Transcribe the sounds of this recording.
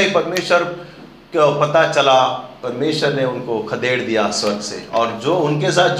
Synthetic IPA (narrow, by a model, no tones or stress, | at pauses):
ipɐɾmeːʃəɾ | kopɐt̪at͡ʃɐlapɐɾmeːʃəɾneʊnkokʰɐd̪eːɽd̪ijaswɐɾɡsḛɔːɾd͡ʒoːʊnkes̬aːt̪̚d͡ʒ